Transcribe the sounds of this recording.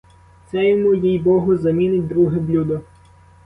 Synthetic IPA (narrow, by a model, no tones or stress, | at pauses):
t̪sɛjɔmujijbɔɦʊzɐmʲinɪtʲd̪ɾuɦɛblʲud̪ɔ